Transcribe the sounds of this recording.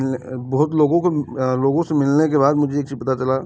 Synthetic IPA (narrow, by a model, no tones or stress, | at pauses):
bɔɦʊt̪loːɡõkoloːɡõsemɪlnekeβaːd̪mʊd͡ʒʱeeːk̚t͡ʃipət̪at͡ʃɐlaː